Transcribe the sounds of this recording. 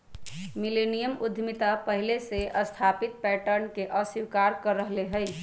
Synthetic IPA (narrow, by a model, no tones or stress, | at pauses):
milenijəmud̪ʱmit̪apəɦileseʔəst̪ʰapit̪̚pɛʈəɾnkeʔəsiwkaɾkəɾːəɦleɦəj